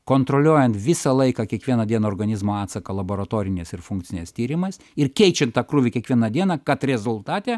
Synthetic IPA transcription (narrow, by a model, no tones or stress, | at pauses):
koːnt̪ɾolʲuɔjɛnt̪ʋʲɪsɐlˠɐɪkɑːkʲɛkʋʲiɛnɐd̪ʲiɛnɐoːrɡɐnʲɪzmoːɑːt̪sɐkɐlˠɐboːɾɐt̪oːɾʲɪnʲɛsɪɾfuŋk̚tsʲɪnʲɛst̪ʲiːɾʲɪmɐs | ɪrkʲɛɪt͡ʃʲɛnt̪ɑːkɾʊʋʲɪkʲiɛkʋʲiɛnɐd̪ʲiɛnɐkɐt̪ɾʲɛzʊlˠt̪ɑːt̪ʲɛ